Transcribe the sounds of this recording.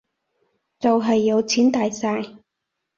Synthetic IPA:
t͡sɐ˨wɦɐ˨jːɐ˨˧wt͡sʰiː˨˥nt̪aː˨jsaː˧j

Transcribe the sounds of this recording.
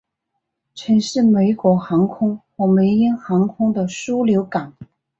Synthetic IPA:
ʈ͡ʂʰə˧˥nʂɻ̩˥˩me˧˥ɪkwɔ˧˥xɑ˧˥ŋkʰʊ˥ŋxwɔ˧˩me˧˥ɪi˥nxɑ˧˥ŋkʰʊ˥ŋd̪ə˨ʂu˥ljo˧˥ʊka˨˩˦n

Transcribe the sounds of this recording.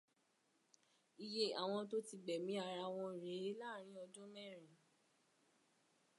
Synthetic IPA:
i˧je˦a˨w̃ɔ̃˧to˦ti˧ɡ͡bɛ˨mĩ˨˦a˧ɾa˧w̃ɔ̃˧˨ɾe˨˦la˦˨ɾ̃ĩ˦ɔ˧d͡ʒɔ̃˦mɛ̃˦˨ɾ̃ĩ˨

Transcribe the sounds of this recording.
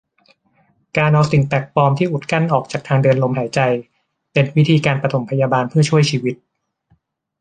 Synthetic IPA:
kaː˧nʔɔː˧si˨˩˦ŋpɛ˨˩k̚pɔː˧mt̪ʰiː˥˩ʔu˨˩t̪̚ka˥˩nʔɔː˨˩k̚t͡ɕaː˨˩k̚t̪ʰaː˧ŋdɤː˧ənlo˧mɦaː˩˦jt͡ɕa˧j | pe˧nwi˦˥t̪ʰiː˧kaː˧npɾa˧t̪ʰo˩˦mpʰa˧jaː˧baː˧npʰɯ˥ɐt͡ɕʰu˥˩əjt͡ɕʰiː˧wi˦˥t̪̚

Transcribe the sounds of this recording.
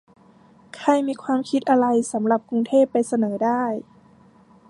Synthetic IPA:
kʰa˧˩jmiː˧˥˧kʰwaː˧mkʰi˧˥t̪̚ʔa˧ɾa˧jsa˩˦mla˨˩p̚ku˧ŋt̪ʰeː˥˩pːa˧jsa˧nɤː˩˦daː˥˩j

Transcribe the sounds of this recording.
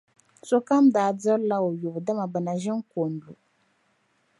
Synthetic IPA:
so˦ka˦mdaː˨dɨ˦ɾla˦o˨ju˨bda˦ma˨bɨ˨na˨ʒɪ˦ŋ˦ko˨n˨du˨

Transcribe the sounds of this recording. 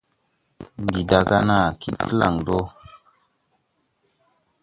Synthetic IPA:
ndi˨da˨ka˦na˦˨ki˦tkə˦la̰˦˨ŋdo˦

